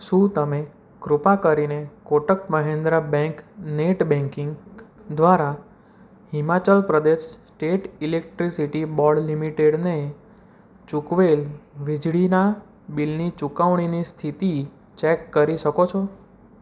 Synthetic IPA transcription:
ʃũt̪əme | kɾupakəɾinekoʈəkməɦend̪ɾəbɛ̃ŋkneʈbɛ̃ŋkiŋɡd̪ʋaɾa | himat͡ʃəlpɾəd̪eʃsʈeʈilek̚ʈɾisiʈibɔɭlimiʈeɽne | t͡ʃukʋelʋid͡ʒɭina | bilnit͡ʃukaʋɽ̃inist̪ʰit̪i | t͡ʃekːəɾiʃəkot͡ʃʰɔ

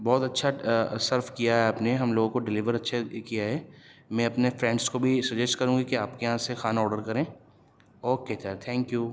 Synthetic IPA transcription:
bɔːt̪ɐtːʃʰasɐɾfkijaɦɛaːpneɦɐmloːɡõkoɖɪliʋəɾɐtːʃʰakijaɦɛːmɛ̃ːɐpnefɾɛ̃ːɳɖskobʱisɐd͡ʒɛsʈkɐɾũːɡikeaːpkejɐɦãsexaːnɔːɾɖəɾkɐɾẽː | ɔːket̪ʰɛt̪ʰɛ̃ːŋkjuː

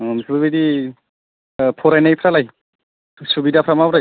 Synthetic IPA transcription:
msʰubɯbedi | pʰɔɾajnajpʰɾalaj | subidapʰɾamabɾa

